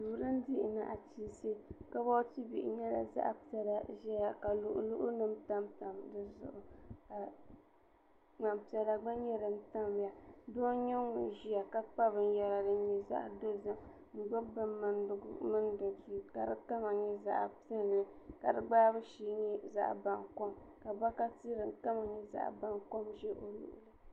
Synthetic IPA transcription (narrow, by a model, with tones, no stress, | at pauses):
duː˨ɾɨ˦n˦di˦ʔɪ˨na˨ʔa˨t͡ʃi˦˨si˦ka˦bɔ˦ti˦bi˨ʔɪ˨ɲɛ˦la̰˨za̰˦ʔpi˦ɛ˨la˨ʒɛ˦ja˨ka˨lʊ˦ʔʊ̰˦lʊ˦ʔʊ˦nɨ˦mta˦mta˨mdɨ˦zʊ̰˨ʔʊ˨ka˨ | ŋ͡ma˨mpi˨ɛ˨la˨ɡ͡ba˦ɲɛ˦ɾɨ˨m˦ta˦mba˨do˦ɲɛ˦ŋʊ˨ʒi˦ja˨ka˦k͡pa˦bɨ˨n̩˦jɛ˨la˨dɨ˨˦ɲi˨za̰˦ʔdɨ˦zɨ˦m | n̩˨ɡ͡ba˦bɨ˦mmɨ˨n˦dʊ˨ɡʊ̰˦mɨ˦n˦dɨ˨diː˦ka˨dɨ˦ta˦ma˨ɲɛ˦za̰˦˨ʔpi˦ɛ˦n˨lɨ˦ka˨dɨ˦ɡ͡baː˦bɨ˦ʃiː˦ɲɛ˦za̰˦ʔba˨ŋko˦m | ka˨ba˦ka˦ti˦ɾɨ˨n˨ta˦ma˨ɲɛ˦za̰˦ʔba˦ŋko˦mʒɛ˦ʔo˨lṵ˨ʔʊ˨lɨ˦